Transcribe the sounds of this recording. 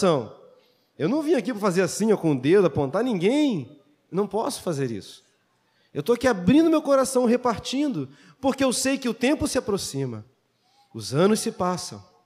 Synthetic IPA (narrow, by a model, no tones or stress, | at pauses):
ɐ̃w̃ | ewnɐ̃w̃vĩɲʊakipɾɐfazeɾasĩɲɐkõʊd̪ed̪ʊapõnt̪aɾnĩɡẽj̃ | ewnɐ̃w̃pɔsʊ̥fazeɾḭsʊ̥ | ewt̪oakiabɾĩd̪ʊmewkoɾasɐ̃w̃ɦepaɾt͡ʃĩnd̪ʊ | poɾkɪewsejkɪʊt̪ẽmpʊsɪapɾosĩmɐ̰ | ʊzɐ̃nʊssɪpasɐ̰̃w̃